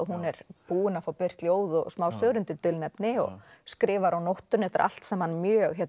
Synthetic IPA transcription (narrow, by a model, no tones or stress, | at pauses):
ɔɦunɛɾpuːɪnafawpɪr̥t̪ljoːwðɔsmaːwsœːɣɾʏnt̪ɪt̪ʏlnɛpnɪɔ̰ɣskɾɪːvaɾawnowht̪ʏnɛht̪ɪɾʔa̰l̥t̪sɛmhanmjœːɣɦɛt̪